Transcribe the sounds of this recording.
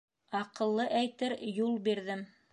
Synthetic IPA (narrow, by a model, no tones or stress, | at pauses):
ɑqɤ̆lˠːɤʔæjt̪ɘɾjulˠbiɾðɘm